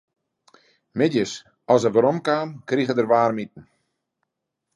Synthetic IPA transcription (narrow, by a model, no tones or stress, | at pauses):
mɪdjəs | ɔlˠsəvəɾɔmkaːmkriɣədərʋaːrmit̚n̩